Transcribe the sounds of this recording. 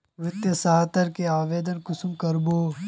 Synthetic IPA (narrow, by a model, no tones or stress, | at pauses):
ʋɪt̪jɐsaɦt̪ɐɾkeaːʋeːd̪ənkʊsumkɐɾboː